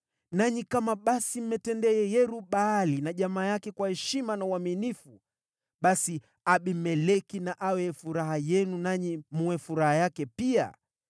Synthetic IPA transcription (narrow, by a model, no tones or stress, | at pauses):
naɲikamaɓasim̩mɛtɛndɛjɛjɛɾuɓaːlinaʄamaːjakɛkwahɛʃimanauaminifu | ɓasi | aɓimɛlɛkinaʔawɛfuɾahajɛnunaɲimuɛfuɾahajakɛpia̰